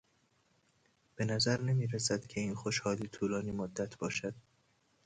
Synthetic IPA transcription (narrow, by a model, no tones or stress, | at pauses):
b̥e̞næzæɾnemiːɾæsæd̪̥cʰe̞iːnxoʃhɒːliːt̪ʰuːlɒːniːmod̪ːæt̪ʰb̥ɒːʃæd̪̥̚